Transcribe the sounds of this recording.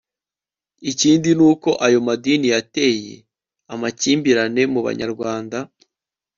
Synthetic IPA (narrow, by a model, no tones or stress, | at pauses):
iciːndinuːko̞ʔajo̞madinijate̞ːje̞̰ | amaciːmbiɾane̞muβa̰ɲa̰ɾɡwaːnda